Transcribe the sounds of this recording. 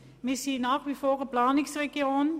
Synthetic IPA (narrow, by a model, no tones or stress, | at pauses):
mɪsiːnɑːxʋifoːrəplɑːnɪŋsreɡion